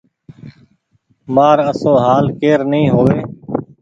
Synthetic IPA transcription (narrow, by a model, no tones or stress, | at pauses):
maːɾəsoːɦaːlkeːɾnĩːɦoːʋeː